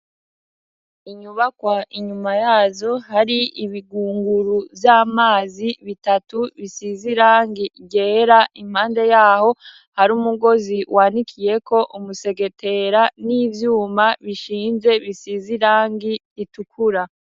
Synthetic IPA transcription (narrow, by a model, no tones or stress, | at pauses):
iɲuβakwaʔiɲumajaːzo̞haɾiiβiɡuːŋɡuɾuvjaːmaːziβitatuβisiziɾaːŋɡiɟeːɾaʔim̥haːnde̞jaːho̞ | haɾuːmuɡo̞ziwʔaːnikʰije̞ko̞ʔumuse̞ɡe̞tʰe̞ɾaniːvjuːmaβiʃiːnze̞βisiziɾaːŋɡi | itukʰuɾa